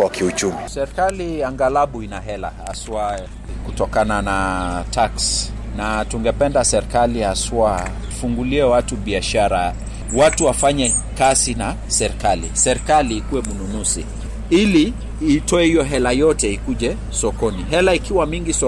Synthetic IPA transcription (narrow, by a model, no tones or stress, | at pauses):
wakiut͡ʃumisɛɾikaliaŋɡalaɓuinaɦɛla̰ha̰swa | kutɔkananatʰaks | natuŋɡɛpɛndasɛɾikaliaswḁ | fuŋɡuliɛwatuɓiaʃaɾa | watuwafaɲɛ | kasina | sɛɾikalḭsɛɾikaliːkuwɛmununusḭ | iliː | tɔɛhijɔɦɛlajɔtɛikuʄɛ | sɔkɔniɦɛlaikiwamiŋɡisɔ